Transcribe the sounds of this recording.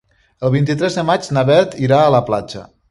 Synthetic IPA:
əlˠβint̪it̪ɾɛzðəmad͡ʒnaβɛɾt̪iɾaələpla̰d͡ʒə̰

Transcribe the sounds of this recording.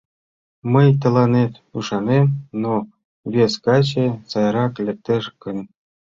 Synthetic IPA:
məjt̪ɤ̆lˠɑnet̪ | uʃɑnemno | βʲeskɑt͡ɕesɑjɾɑklʲĕk̚t̪eʃkə̆n

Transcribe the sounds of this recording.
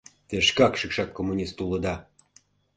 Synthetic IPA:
t̪eʃkɑkʃɨkʃɑkːomːunʲist̪ulɤ̆d̪ɑ

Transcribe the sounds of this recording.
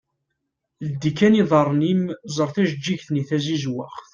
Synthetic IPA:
ld̪ikæniðˤɑɾˤːnimzˤəɾˤθæʒd͡ʒːiʝθniθæzizwaχθ

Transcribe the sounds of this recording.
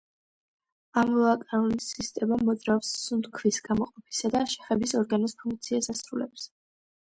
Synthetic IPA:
amɔakʼaɾulisist̪ʼɛmamɔd̪zɾaɔvsːund̪kʰvisɡamɔqʼɔpʰi̥sad̪aʃɛ̥χɛbisɔɾɡanɔspʰuŋk̚ʰʼt̪sʰiasasɾulɛps

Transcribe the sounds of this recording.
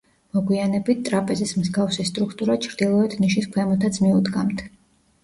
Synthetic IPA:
mɔɡwianɛbit̪̚t̪ʼɾapʼɛzismzɡafsist̪ʼɾukʰt̪ʼuɾat͡ʃʰɾd̪̥ilˠɔɛt̪ʰniʃiskʰwɛmɔt̪ʰat̪sʰmiud̪ɡamt̪ʰ

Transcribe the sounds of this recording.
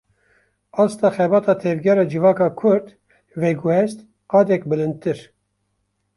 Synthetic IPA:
ɑːst̪ɑːxɛbɑːt̪ɑːt̪ʰɛvɡʲɛɾɑːd͡ʒɨvɑːkɑːkʰʊɾd̪ | vɛɡuhɛst̪ | qɑːd̪ɛkbɨlɨnd̪̚t̪ɨɾ

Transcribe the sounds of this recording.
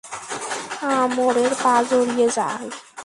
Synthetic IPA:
amoɾeɾbazoɽijeza̰j

